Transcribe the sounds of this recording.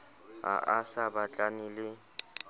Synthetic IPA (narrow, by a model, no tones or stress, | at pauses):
a̰ʔasabat͡ɬʼanɪlɪ